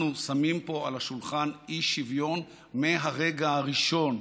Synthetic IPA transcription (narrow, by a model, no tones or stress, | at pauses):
nusamimpo̞alaʃulχaniʃːivjo̞n | meɦaʁeɡaaʁiʃo̞n